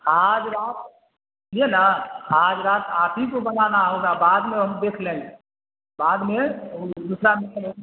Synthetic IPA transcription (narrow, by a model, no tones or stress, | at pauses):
aːd͡ʒɾaːt̪ | lienaaːd͡ʒɾaːt̪aːpʰikobənanaɦoɡabaːd̪mẽɦəmd̪eːkʰlẽːɡe | baːd̪mẽd̪uːsɾame